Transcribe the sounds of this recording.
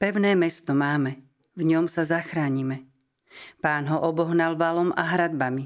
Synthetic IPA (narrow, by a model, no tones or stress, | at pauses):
pɛʊnɛːmɛst̪ɔmaːmɛ | vɲɔmsazaxɾaːɲimɛ | paːnɦɔʔɔbɔɦnalʋalɔma̰ɦɾad̪bami